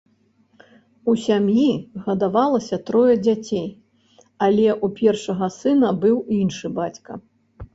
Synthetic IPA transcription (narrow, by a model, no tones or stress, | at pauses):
usʲamjiɣɐd̪avalˠɐsʲɐt̪ɾɔjɐd͡zʲat͡sʲej | alʲɛʔupʲɛrʂɐɣɐsɨnɐbɨwinʂɨbat͡sʲkɐ